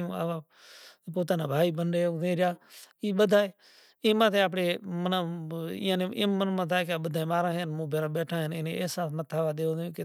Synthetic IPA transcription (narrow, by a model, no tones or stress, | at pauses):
ũːa̰ʋaː | poːt̪aːnãːbʱaːiːbəɳɖeːokzẽːɾjaːiːɓəd̪ʱaːeː | ɪːmãːt̪ʰeːaːpɽeːmənãːɪ̰ːãːnḛːmmənmãːt̪ʰaːkaːɓəd̪ʱaːẽːmaːɾãːɦenmũːbʱeːɾaːɓeːʈʰãːɦenɪnḛ̃ːeːsaːsmət̪ʰaːʋaːɗ̪eːõːd̪jõːke